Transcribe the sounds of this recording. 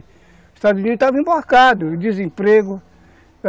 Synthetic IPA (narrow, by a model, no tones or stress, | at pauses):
st̪ad̪uzunid̪ʊt̪avĩbaɾkad̪ʊd̪izẽpɾeɡʊ